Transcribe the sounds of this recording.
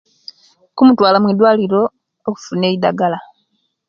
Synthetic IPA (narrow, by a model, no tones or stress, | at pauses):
kumutwaːlamwidwaːliɾo̞ː | ku̥fune̞ːida̰ɡala